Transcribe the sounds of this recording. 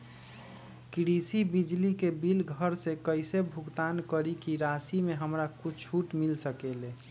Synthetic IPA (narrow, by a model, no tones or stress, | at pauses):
kɾisibid͡ʒlikebilɡʱəɾsekəɪsebʱuɡt̪ankəɾikiɾasimeɦəmɾakut͡ʃʰuʈmilsəkele